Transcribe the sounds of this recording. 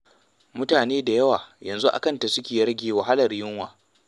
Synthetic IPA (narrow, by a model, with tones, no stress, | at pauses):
mʊ˦taː˨neː˦da˨jɐ˦waː˨jɐ˨nzu˦ʔa̰˨kɐ˦nta˨sʊ˦kʲeː˨ɾɐ˦ɡʲeː˨wa˨ɦa˦lɐ˨rjɪ˦ŋwaː˨